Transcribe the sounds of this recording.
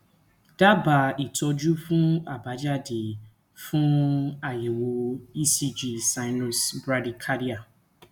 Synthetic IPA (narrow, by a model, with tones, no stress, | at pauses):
d̥a˦ba˨i˨tɔ˧d͡ʒu˦fũ˦a˨ba˨˦d͡ʒa˦di˨ | fũ˦a˨je˨wo˨i˦si˦d͡ʒi˨sa˦ɪ˦nɔ˨sbɾa˦di˨kʰa˦ɾi˦a˨